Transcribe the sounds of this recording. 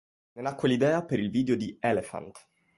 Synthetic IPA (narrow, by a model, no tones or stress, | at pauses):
nenakːwelid̪ɛːapeɾilviːd̪eod̪iɛlefa̰nt̪